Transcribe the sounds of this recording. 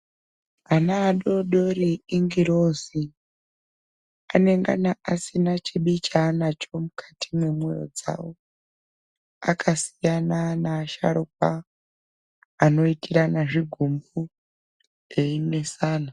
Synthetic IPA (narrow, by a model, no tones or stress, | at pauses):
anaːɗo̞ɗoɾiːŋɡiɾozi | ane̞ŋɡa̰naʔasinat͡ʃʰiɓit͡ʃaːnat͡ʃomukʰḁtʰimwe̞mwejo̰d͡za̰wo | a̰kʰasi̥jananaːʃa̰ɾup̚a | no̞itiɾanaʐiɡʱumbu | einesaːna